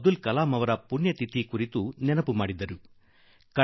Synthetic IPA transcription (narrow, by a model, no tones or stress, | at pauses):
d̪ulkɐlaːmɐʋɐɾɐpunjɐt̪it̪ikuɾit̪unɛnɐpumaːɽid̪ɐɾu | kɐ